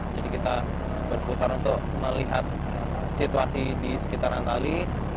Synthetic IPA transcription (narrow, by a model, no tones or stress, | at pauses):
d͡ʒadikit̪a | bərput̪aɾunt̪ʊk̚məliɦat̪̚ | sit̪uasidisə̥kit̪aɾant̪ali